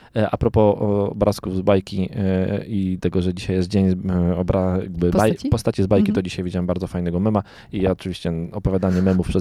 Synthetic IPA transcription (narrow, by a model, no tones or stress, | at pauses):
ʔa̰pɾɔpɔɔ̰bɾʔaskuvzbajkʲi | it̪ɛɡɔʐɛd͡ʑiɕajɛst̪̚d͡ʑeɲɔbɾaɡbapɔst̪at͡ɕizbajkʲit̪ɔd͡ʑiɕajvʲid͡ʑawɛmbaɾd̪zɔfajnɛɡɔmɛma | ijaɔt͡ʂɨvʲiɕt͡ɕɛɔpɔvʲjad̪aɲɛmɛmufpʂɛ